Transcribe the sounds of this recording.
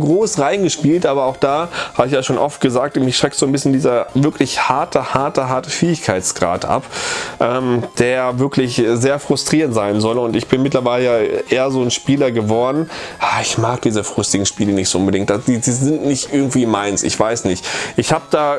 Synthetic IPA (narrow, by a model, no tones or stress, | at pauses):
ɡʁoːsʁaɪnɡəʃpiːltʔaːbɐaʊxd̥aːhaːbəɪçjaːʃoːnʔɔft̚ɡ̥əzaːk̚tmɪçʃʁ̥ɛk̚tz̥oːnbɪsən̩diːzɐvɪɐklɪçhaɐtʰəhaɐtəɦaɐtəfeːɪçkʰaɪtt͡sɡ̥ʁa̰ːtʔa̰pʔɛːmd̥eːɐavɪɐklɪçzeːɐfʁ̥ʊstʁ̥iːʁntz̥aɪnzɔlʊntɪçb̥ɪnmɪtlɐvaɪləjaːʔeːɐzoːnʃpiːlɐɡəvɔɐdn̩aːɪçmaːk̚d̥iːzəfʁ̥ʏstɪɡŋ̩ʃpiːlənɪçtz̥oʔʊnbədɪŋkt̚d̥ad̥iːziːzɪntnɪçtʔɪɐɡŋ̩tv̥iːmaɪnsɪ̰çv̥aɪsnɪçtʔɪçhaːbəd̥aː